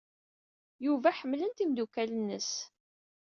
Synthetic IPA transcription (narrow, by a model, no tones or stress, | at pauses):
juvæħəmːlənt̪imd̪ukælənːəs